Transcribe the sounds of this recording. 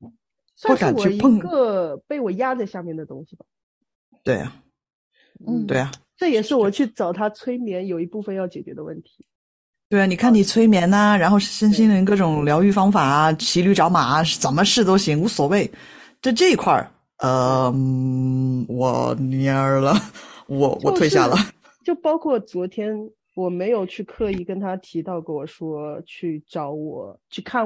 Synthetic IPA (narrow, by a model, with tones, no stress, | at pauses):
swa˥wɔ˧˥ka˨˩wt͡ɕɥɛ˧˥pʰə˥˧ŋɡə˧pe˥˩ɪwɔ˨˩ja˥t͡sa˥˧ɪɕja˥˧mjɛ˥˩nd̪ə˩t̪ʊ˥ŋɕi˨˩bɐ˩ | t̪we˥˩ɪɐ̰˩ | n̩˩t̪we˥˩ɪɐ˩ | ʈ͡ʂɤ˥˩jɛ˨˩ʂɻ̩˥˩wɔ˨˩t͡ɕʰy˥˩t͡sɑ˨˩ʊt̪ʰa˥t͡sʰwe˥ɪmjɛ˧˥njo˨˩ʊi˧˥pu˥˩fə˧njɑ˥˩ʊt͡ɕjɛ˨˩t͡ɕɥɛ˧˥d̪ə˧wə˥˩nt̪ʰi̥˧˥ | t̪we˥˩ɪa˩ni˨˩kʰa˥˩ni˨˩t͡sʰwe˥ɪmjɛ˧˥nə˧ɻa˧˥nxo˥˧ʊʂ̩˥˩ɕə˥nɕi˥nd̪ə˨i˧˥kɤ˥˩ʈ͡ʂʊ˨˩ŋljɑ˧˥ʊy˥˩fɑ˥ŋfa˨˩˦t͡ɕʰi˧˥ly˥˩ʈ͡ʂɑ˧˥ʊma˨˩˦t͡sə˨˩nmə˧ʂɻ̩˥˩t̪̬o˥ʊɕi˧˥ŋu˧˥swɔ˨˩we˥˩ɪ | t̪a˥˧ʈ͡ʂɤ˥˩i˧˥kʰwa̰˥˩ | ə˧m̩˥˩wɔ̰˨˧˩ni˧˥ə˞˧˥lə˧wɔ˧˩wʔɔ̰˨˥˧t̪ʰwe˧ɪja̰˥˩lə˩ | t͡ɕjo˥˩ʊpɑ˥ʊkʰwɔ˥˩t͡swɔ˧˥t̪ʰjɛ˥n | wɔ˨˩me˧˥ɪjo˨˩ʊt͡ɕʰy˥˧kʰɤ˥˧i˥˩kə˥nt̪ʰa˥t̪ʰi˧˥t̪ɑ˥˩ʊkə˥˩wɔ˨˩ʂwɔ˥t͡ɕʰy˥˩ʈ͡ʂɑ˧˥ʊwɔ˨˩˦t͡ɕʰy˥˧kʰa˥˩